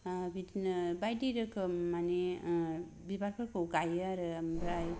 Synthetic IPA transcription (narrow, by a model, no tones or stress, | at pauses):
bidnbajdiɾɯkʰɯmane | bibaɾpʰɯɾkʰoɡajaɾɯmbɾaj